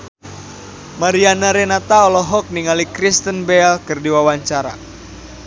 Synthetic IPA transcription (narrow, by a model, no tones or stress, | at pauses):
maɾianaɾɛnat̪aɔlɔɦɔk̚niŋalikɾist̪ənbɛlkɨrdiwawaɲt͡ʃaɾa̰